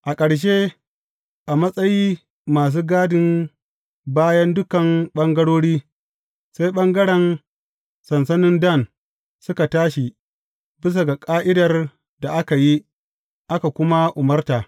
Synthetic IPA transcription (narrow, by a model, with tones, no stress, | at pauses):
ʔa˨kʼɐ˨ɽʃ̬e˦ | ʔa˨mɐ˦sʼɐ˦jiː˦ | maː˨s̬uː˦ɡaː˦dɪ˨n | baː˦jɐ˦ndʊ˦kɐ˨mɓɐ˦ŋɡɐ˦ɽoː˦ɽiː˦ | sa˦jɓɐ˦ŋɡɐ˦ɽɛ˨n | sɐ˨nsɐ˦nɪ˦ndɐ˦˨n | sʊ˦ka˨taː˦ʃi˨ | bɪ˦s̬a˨ɡa˨kʼaː˦ʔɪ˦dɐ˨r | da˨ʔa˦ka˨ji˦ | ʔa˦ka˨kʷʊ˦ma˦ʔʊ˨mɐ˦rtaː˨